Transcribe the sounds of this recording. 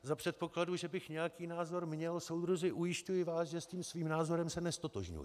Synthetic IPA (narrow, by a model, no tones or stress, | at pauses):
zapr̥ɛt̪̚po̞kladuʒɛbɪxɲɛjakiːnaːzo̞ɾmɲɛlsowd̪ɾuzɪʔujɪʃcujɪvaːsʒɛsciːmsviːmnaːzo̞ɾɛmsɛnɛst̪o̞t̪oʒɲṵjɪ̰